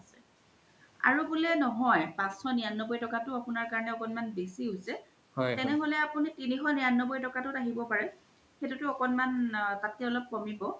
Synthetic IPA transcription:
asɛ | a̰ɹubulɛnɔɦɔjpãsxɔnijanːɔbojtɔkatʊapʊnaɹkaɹɔnɛɔkɔnmanbesiusɛ | hɔtɛnɛɦolɛapunitinixɔnijanːɔbojtɔkatʊtaɦibɔpaɹɛ | xetutʊɔkɔnmantatiɔlɔp̚kɔmibɔ

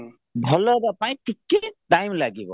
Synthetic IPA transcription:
bʱɔlɔbapaj̃tʰikːedajmlaɡibɔ̰

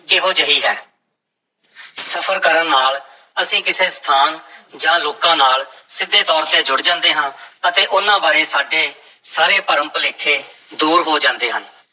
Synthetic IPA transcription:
kɪɦoːd͡ʒəɦiːɦɛː | səpʰəɾkəɾənːaːl | əsĩːkɪseːst̪ʰaːnd͡ʒãːloːkãːnaːlsɪd̪ʱːeːt̪ɔːɾt̪eːd͡ʒʊɽd͡ʒãːnd̪eːɦãːət̪eːʔʊnːãːbaːɾeːsaːɖeː | saːɾeːpəɾə̃mplɪːkʰːeːd̪uːɾɦoːd͡ʒãːnd̪eːɦən

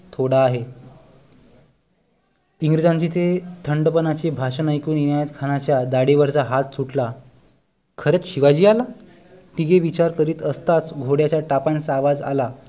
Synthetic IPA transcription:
t̪ʰoɽaːɦe | iŋɡɾid͡zãɲt͡ɕit̪ʰet̪ʰəɳɖəpənat͡ɕebʱaɕənajkuːninajət̪kʰanat͡ɕjad̪aɽiʋəɾt͡saɦat̪suʈla | kʰəɾet͡sɕiʋad͡ʑiːala | t̪iɡeʋit͡ɕaɾkəɾiːt̪əst̪at͡sɡʱoɽjat͡ɕjaʈapansaʋad͡za̰la

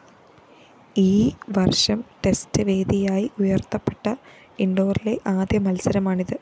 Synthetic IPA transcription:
iːʋɐrʂɐmʈe̞stɨʋe̞ːd̪ʱijaːjiʔujɐrt̪ːɐpːe̞̥ʈːɐ | iɳɖo̞ːrile̞ʔaːd̪ʱjɐmɐlsɐɾɐmaːɳiðɨ

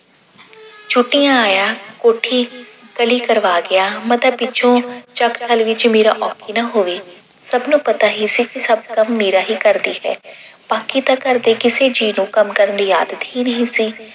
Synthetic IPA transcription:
t͡ʃʰʊʈːijãːaːjaːkoːʈʰiːkəliːkəɾʋaːɡɪjaːmət̪ləbːɪt͡ʃʰõːt͡ʃəkt̪ʰəlʋɪt͡ʃmeːɾa̰ːʔɔːkiːnaːɦoːʋiː | səbnũːpət̪aːɦisiːkɪsəb̚kəmːeːɾaːɦiːkəɾd̪iːhɛ̰ː | b̥aːkiːt̪ãːkəɾd̪eːkɪseːd͡ʒiːnũːkəmkəɾənd̪iːjaːd̪ət̪ɦhiːnəɦĩːsiː

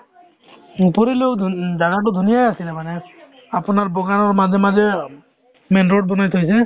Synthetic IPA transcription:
poɾilezaɡat̬ʊd̪ʱunijajasilɛmanɛ | apʊnaɹbɔɡanɔɹmazɛmazɛ | mɛnɹɔʈ̚bɔnajt̪ʰojsɛ

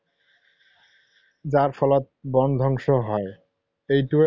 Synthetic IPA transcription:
d͡ʑaɾfɔlat̪̚bɔnd̪ʱɔŋʃoɦɔe | ejʈu

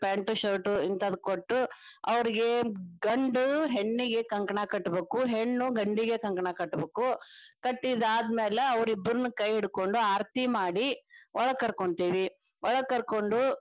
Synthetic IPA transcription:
paːɳʈuʃoːɾʈuint̪ɐd̪ukoʈːu | ɐʋɐɾiɡe̞ɡɐɳɖuɦeɳːiɡe̞kɐŋkɐɳakɐʈːbeːkuɦeɳːuɡɐɳɖiɡe̞kɐŋkɐɳakɐʈːbeːkukɐʈːid̪aːd̪mɛːleɐʋɾibːɐɾunukɐjiɽko̞ɳɖuaːɾt̪imaːɽiɔɭɐkːɐɾkoɳt̪iːʋi | ɔɭɐkːɐɾko̞ɳɖu

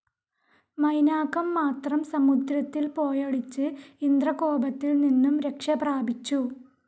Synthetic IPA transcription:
mɐjnaːkːɐmːaːt̪rɐmsɐmud̪ɾɐt̪ːilpo̞ːjɐɽit͡ɕːɨind̪rɐko̞ːbɐt̪ːilninːumɾe̞kʂɐbraːbit͡ɕːu

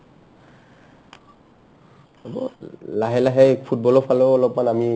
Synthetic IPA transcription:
ɔbɔ̰laɦɛlaɦɛpʰut̚bɔlɔpʰalɔɔlɔpmanami

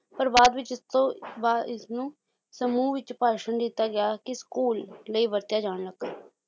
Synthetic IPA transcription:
pəɾbaːd̪ʋɪt͡ʃɪt̪õːbaɪsnũː | səmuːʋɪt͡ʃpaːʃəɳd̪iːt̪aːɡɪaːkiskuːlːəiːʋəɾt̪ɪjaːd͡ʒaːɽləɡaː

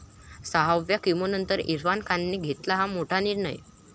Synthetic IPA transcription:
saɦaʋjakimonənt̪əɾḭɾʋankʰanːiɡʱet̪laɦamoʈʰaniɾɳə̰j

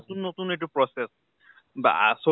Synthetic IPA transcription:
t̪unːot̪uneʈ̬upɹɔses | ba̰a̰so

